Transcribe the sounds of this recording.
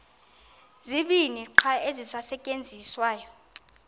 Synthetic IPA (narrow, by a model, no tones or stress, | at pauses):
ziɓiniǃʰaezisasɛcʼend͡zʱiswaːjɔ